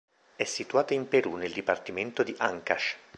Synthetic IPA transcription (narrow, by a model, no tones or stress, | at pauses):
ɛsːit̪uaːt̪aimpeɾuneld̪ipart̪iment̪od̪iʔaŋkaʃ